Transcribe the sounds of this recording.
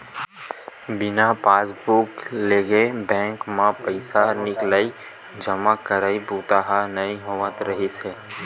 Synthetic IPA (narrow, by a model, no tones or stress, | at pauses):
bɪnapaːsbukleːɡebɛ̃ːŋkmãpəɪsanɪklai | d͡ʒəmakəɾaːibuːt̪aɦanəĩɦoːʋət̪ɾəɦiseː